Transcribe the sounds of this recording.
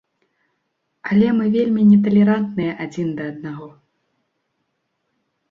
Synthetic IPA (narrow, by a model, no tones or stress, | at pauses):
ɐlʲɛmɨvʲelʲmʲinʲɛt̪ɐlʲɛɾant̪nɨjɐʔad͡zʲind̪ɐːd̪̚naɣɔ